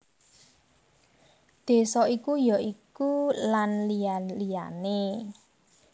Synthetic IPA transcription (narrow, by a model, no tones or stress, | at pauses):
d̪̥e̤sɔikujɔʔikulanlijanlija̰ne